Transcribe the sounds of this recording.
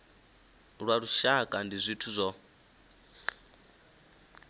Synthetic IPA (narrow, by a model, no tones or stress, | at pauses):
ɺwaɺuʃakʼandizʷitʰuzʷɔ